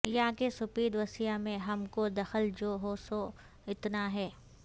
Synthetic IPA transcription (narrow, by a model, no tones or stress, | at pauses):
jaːkesʊpiːd̪ʋɐsijamẽɦɐmkod̪ɐxəld͡ʒoːɦoːso | ɪt̪naɦɛː